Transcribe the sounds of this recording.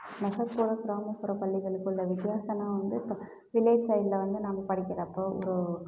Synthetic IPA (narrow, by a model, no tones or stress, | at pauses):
mɛɣɐɾpuːɾɐkɪɾaːmɐkːʊɾɐpɐɭːɪɣɐɭɯkːɯlːɐʋɪt̪ɪjaːsɐnãːʋɐnd̪ɯɪpːoː | ʋɪleːsɐɪlɐʋɐnd̪ɯnaːŋɡɐpɐɽɪkʲːɪɾɐɐpːoːʔɔ̰ɾɯ